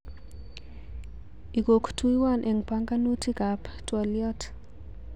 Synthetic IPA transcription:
i˨ɡo˨ktu˦i˦wa˦˨nʔɛ˨ŋpaŋɡa˦nu˦ti˦ka˨ptwɔ˨ljɔ˦t

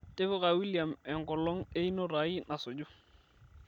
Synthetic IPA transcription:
te˦fɔ˦ka˨wi˦lija˨mɛ˨ŋkɔ˨lɔ˦ŋe˦i˦nɔ˦ɾa˨˦i˦na˨sɔ˨d͡ʒu˦

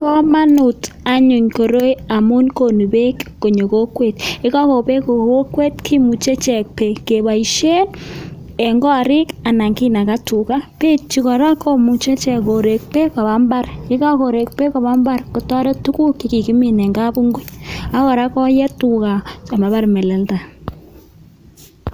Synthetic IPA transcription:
kɔ˦ma˦nu˨ta˨ɲu˨ɲko˨ɾo˦ja˨mu˦nko˨nu˨be˦kːo˨ɲo˨ko˦kwe˨t̚ɪ˦ka˦ko˨pe˦ko˨ko˦kwe˦t̚kʰi˦mu˨t͡ʃe˦t͡ʃɛ˨k̚pe˨ke˨ba˨i˨ʃe˦n | ɛ˨ŋɡɔ˦˨ɾɪ˦ka˨na˨ŋki˦na˨ka˦tu˨ka˦pe˦t͡ʃi˦kɔ˨ɾa˦kɔ˦mu˨t͡ʃe˦t͡ʃɛ˨ko˨ɾe˨k̚pe˦ka˨ba˨˦mba˦rɪ˦ka˦ko˨ɾe˨k̚pe˦ka˨ba˦mba˦rko˨tɔ˦ɾɔ˦tu˦ku˦ki˨ki˨ki˦mi˨nɛ˨ŋɡa˦bu˦ŋɡu˦ɲa˦kɔ˨ɾa˦kɔ˦jɛ˦tu˨ka˨t͡ʃɔ˨ma˨ba˦rmɛ˨lɛ˨lta˨

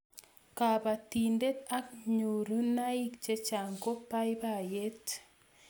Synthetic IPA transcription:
kapa˨ti˨nde˦ta˦k̚ɲu˨ɾu˦na˦i˦k̚t͡ʃe˦t͡ʃa˨ŋɡo˦pa˦jba˨jet

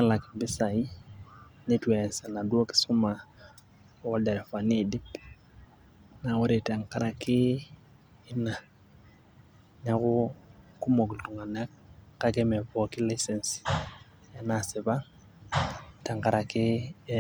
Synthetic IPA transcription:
ɲa˦la˨kbɪ˦sa˨i˦ | ne˦twɛ˨nsa˨na˨du˦o˦kɪ̥˦sʊ˦ma˨˦ | wɔ˦da˨ɾɛ˨fa˨ni˦˨di˦p | na˨wɔ˦ɾe˨ta˨ŋka˦ɾa˨kɪ˦ | ɪ˦na˨ | ɲa˦kʊ˦ku˦mo˨kltu˨ŋa˨na˦k̚ka˦kɛ˦mɛ˨pɔ˨ki˦la˦jsɛ˨ns | a˦na˨sɪ˨ba˦ | ta˨ŋka˨ɾʔa˨kɪ˦

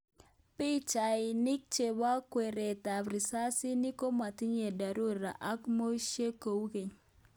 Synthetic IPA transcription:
pi˦t͡ʃa˨ɪ˨nɪ˦k̚t͡ʃe˨ba˦kwe˨ɾe˨ta˨pɾi˨sa˦si˦ni˦ko˦ma˨ti˦ɲe˨da˨ɾo˦ɾa̰˨ʔa˦kmo˦ʃe˦ko˨wke˨ɲ

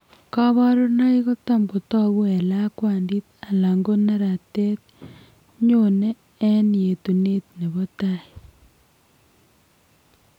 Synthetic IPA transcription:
ka˦βa˦ɾo˦na˦i˦ɣo˦ta˦mɡo˨tɔ˦βu˦e˨la˦kwaː˨ndi˦t̚a˨la˨ŋɡo˦na˦ɾa˨te˦t̚ | ɲo˦ne˦ | e˦ni˨e˨tu˨ne˦t̚ne˨βo˦ta˦i˨

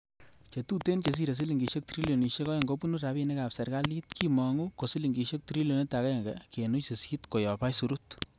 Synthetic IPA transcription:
t͡ʃe˨tu˦te˦nt͡ʃe˨s̬i˦ɾe˨s̬i˦li˨ŋɡi˨ʃe˦k̚tɾi˦ljo˨ni˨ʃe˦kɔ˦je˨ŋɡo˦pu˦nu˦ɾa˨be˦˨ne˦ka˨psɛ˨ɾka˦li˦t̚kʰi˦mɔ˨ŋu˦ko˨si˦li˨ŋɡi˨ʃe˦k̚tɾi˦ljo˨ni˦ta˨ka˦e˨ŋɡe˨ke˨nu˦t͡ʃse˨si˦tko˨jɔ˨pa˦jsu˨ɾut

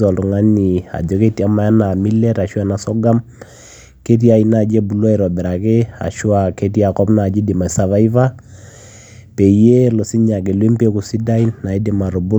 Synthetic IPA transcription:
ɔ˨lu˨ŋa˦ni˨a̰˨d͡ʒɔ˨ke˦ti˨a˦ma˨˦a˦na˨mi˦lɛ˦ɾa˨ʃu˦a˦˨na˨sɔ˦ɡa˦m | ke˦t̬i˦a˨i˨na˦˨d͡ʒe˦bu˨la˦ɛ˨ɾɔ˨bɛ˨ɾa˨ke˦a̰˨ʃu˦a˨ke˦ti˦a˨kɔ˦bna˨d͡ʒi˦di˨ma˨sa˨va˦i˦va˦ | pe˨je˦lɔ˨si˦ɲa˨ɡe˨lwe˦mpe˦ku˨si˦da˦i˦nːa˨i˦di˨ma˨ɾɔ˨bu˦

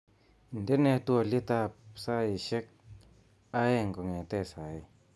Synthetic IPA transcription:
n̩˨de˦ne˧t̪u˧a˨li˦t̪a˧p̚sa˦i˨ʃe˦k̚ | a˦e˦˧˨ŋ˨ko˨ŋe˨t̪e˦˧˨sa˨˦j

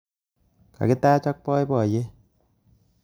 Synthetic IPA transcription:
ka̰˨ki˦t̪aː˦t͡ʃɔ˦k̚pɔ˦jbɔː˨je˦

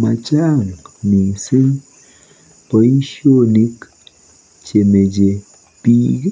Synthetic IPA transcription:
ma˨t͡ʃa˦˨ŋni˨ŋsi˦n | pə˨˦jʃo˦ni˦k | t͡ʃe˨me˨d͡ʒe˨ | pi˦ɡ

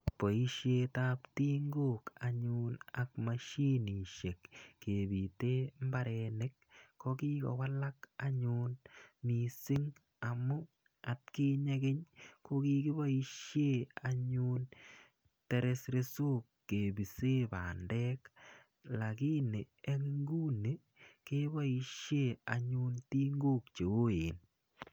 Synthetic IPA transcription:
po˨i˦ʃjetapti˦ŋɡokaɲunak̚maʃi˦ni˨ʃekːebi˨te˦m˦baɾɛnek̚ː | oki˦kɔ̰wa˦lakaɲunmisɪ˦ŋ | amʊ˦ | atki˦ɲekeɲko˦ki˦kɪ˦ba˦i˦ʃje˦a˨ɲu˦n | te˨ɾe˦sɾe˦so˦kːe˨bi˨se˦pa̰ː˨ndɛ˦k | la˨ki˦ne˨ | e˦ŋi˦ŋɡu˦ne˨ | ke˦ba˦i˧ʃje˦a˨ɲu˦nti˦ŋɡo˦k̚t͡ʃe˨wo˦jeː˨n

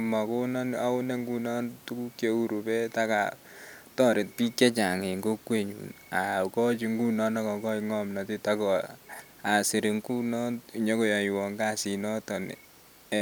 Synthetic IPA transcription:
ma˨ko˦nɔ˦na˦ʊ˦nɛ˦ŋɡu˦nɔ˦ntu˦ku˦kje˦u˦ɾu˨pɛ˦ta˦ka̰˨ | tɔ˦ɾɪ˨t̚pi˦kɛ˦t͡ʃa˨ŋe˨ŋɡo˦kwe˨ɲṵ˨n | a˨kɔ˦t͡ʃi˨ŋɡu˦nɔ˦na˦kɔ˨kɔ˦i˨ŋɔ˦mna˨ti˦takɔ˨ | a˨si˨ɾi˨ŋku˦nɔ˦˨ɲɔ˦ko˨ja˨i˨wɔ˨ŋɡa˦si˨nɔ˦tɔ˨nḭ˨

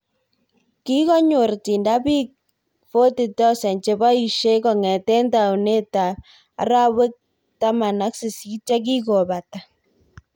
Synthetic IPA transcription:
ki˦kɔ˦ɲo˨rti˨nda˦pi˦k̚ | fo˦ti˨tɔ˦sɛ˨nt͡ʃe˨˦ba˦i˨ʃe˦kɔ˨ŋɛ˨tɛ˦nta˨u˨ne˦ta̰ː˨˦ | ɾa˦wɪ˦k̚ | ta˦ma˨na˦ksɪ˨si˦t͡ʃa˦k̬i˦ko˨ba˨ta˨

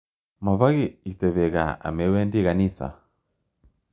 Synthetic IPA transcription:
ma˨βa˦ɣi˦i˨tɛ˨βɛɣa̰˨a̰˨mɛwɛ˦ndi˦ɣa˨nisa̰˨

